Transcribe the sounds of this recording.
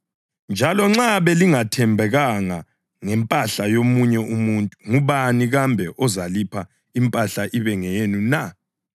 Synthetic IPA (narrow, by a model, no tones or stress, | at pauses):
nd͡ʒʱalɔŋ͡ǁaβɛliŋatʰɛmbʱɛɣaŋa | ŋɛmpʼaɬajomuɲɛʔumuntʼu̥ŋuβaniɣambʱɛʔɔzalipʰa | impʼaɬaʔiβɛŋɛenuna